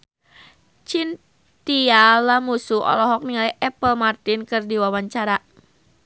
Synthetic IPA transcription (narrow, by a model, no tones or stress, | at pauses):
t͡ʃin | t̪ialamusuɔ̰lɔɦɔk̚niŋaliʔɛpəlmart̪inkɨrdiwawaɲt͡ʃaɾa